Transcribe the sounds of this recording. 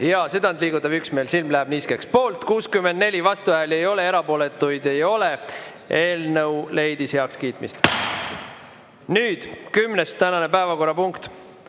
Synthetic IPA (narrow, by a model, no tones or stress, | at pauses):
jɑsyd̪ɑnd̪liːɡut̪ːˑɑvyksmeːlsilmlæɦæb̥niskekspo̞ːlt̪kuːskymːend̪ne̞lʲivɑst̪uvæɦele̞jo̞le̞e̞ɾɑpo̞ːlet̪ːˑujd̪e̞jo̞le̞ | e̞ːlnɤwle̞jd̪isheɑkskiːt̪ˑmḭst̪ | nyːd̪̥kymnest̪ænɑne̞pæevɑko̞rːɑpuŋkt̪